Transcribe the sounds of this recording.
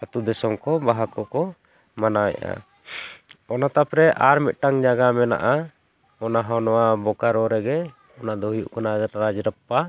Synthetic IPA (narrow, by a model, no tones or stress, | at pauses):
at̪ud̪ɛsɔmkɔbaɦakɔkɔ | manaj̰ʔa̰ | ɔnat̪apɾɛʔaɾmit̪̚ˀʈaŋd͡ʒaɡamɛna̰ʔa | ɔnaɦawnɔwabɔkaɾɔɾɛɡɛ | ɔnad̪ɔɦujuʔkɔnaɾad͡ʒɾəpːa